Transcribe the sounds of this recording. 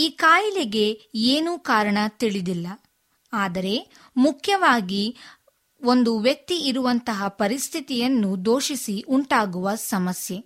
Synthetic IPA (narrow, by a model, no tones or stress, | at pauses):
iːkaːjilɛɡe̞eːnuːkaːɾɐɳɐt̪iɭid̪ilːɐ | aːd̪ɐɾe̞ | mukʰjɐʋaːɡi | o̞nd̪uʋjɐk̚t̪iːɾuʋɐnt̪ɐɦɐpɐɾist̪ʰit̪ijɐnːud̪o̞ːʃisiʔuɳʈaːɡuʋɐsɐmɐsje